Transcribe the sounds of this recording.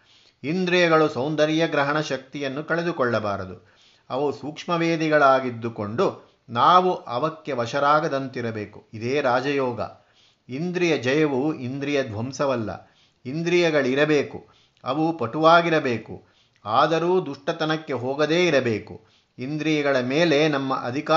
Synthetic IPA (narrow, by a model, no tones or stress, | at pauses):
ind̪ɾijɐɡɐɭusɐwnd̪ɐɾijɐɡɾɐɦɐɳɐʃɐk̚t̪ijɐnːukɐɭe̞d̪ukɔɭːɐbaːɾɐd̪u | ɐʋusuːkʂmɐʋeːd̪iɡɐɭaːɡid̪ːuko̞ɳɖu | naːʋuʔɐʋɐkːe̞ʋɐʃɐɾaːɡɐd̪ɐnt̪iɾɐbe̞ːkuid̪eːɾaːd͡ʒɐjɔːɡɐ̰ | ind̪ɾijɐd͡ʒɐjɐʋuind̪ɾijɐd̪ʋɐmsɐʋɐlːɐ̰ | ind̪ɾijɐɡɐɭiɾɐbe̞ːku | ɐ̰ʋupɐʈuʋaːɡiɾɐbeːkṵ | aːd̪ɐɾuːd̪uʂʈɐt̪ɐnɐkːe̞ɦɔːɡɐd̪eːiɾɐbeːkṵ | ind̪ɾijɐɡɐɭɐmeːle̞nɐmːɐ̰ʔɐ̰d̪ʱika